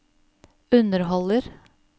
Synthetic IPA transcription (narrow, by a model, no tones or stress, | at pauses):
ʉnəɾɦɔləɾ